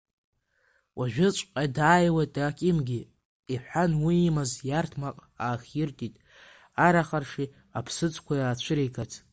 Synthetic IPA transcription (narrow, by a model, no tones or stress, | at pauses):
wʔaʒᶣɪt͡ʃʷʼqʼadaːjwajtʼakʲʼɪmɡʲi | iħʷanwiːmazjartʰmaqʼaːχʲjɪrtʼitʼ | aɾaχarʂi | apʰsɨt͡sʼkʷʰajat͡ɕʷʰɨɾejkʰatʰ